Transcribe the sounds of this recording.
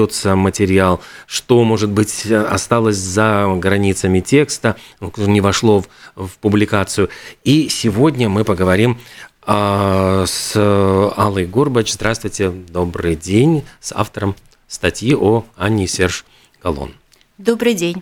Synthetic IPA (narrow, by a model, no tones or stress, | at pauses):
ot̪səmətʲɪɾʲɪalˠʂt̪o̞mo̞ʐɨt̪̚bɨtʲɐ̰st̪alˠəsʲzɐɡɾɐnʲit̪səmʲɪtʲe̞kst̪əknʲɪvɐʂlˠo̞vpʊblʲɪkat̪sɨjʊisʲɪvo̞dʲnʲəmɨpəɡəvɐɾʲim | s | alˠəjɡorbət͡ɕzd̪ɾast̪vʊjtʲɪd̪o̞bɾɨ̰jdʲenʲsa̰ft̪əɾəm | st̪ɐtʲjiʔoanʲːɪsʲerʂ | ɡ̥ɐlˠo̰n | d̪obɾɨjdʲenʲ